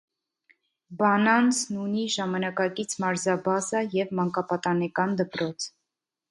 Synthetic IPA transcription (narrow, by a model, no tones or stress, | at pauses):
bɑnɑnt͡sʰnuniʒɑmɑnɑkɑkit͡sʰmɑɾzɑbɑzɑjɛvmɑŋkɑpɑt̪ɑnɛkɑnd̪əpɾɔt͡sʰ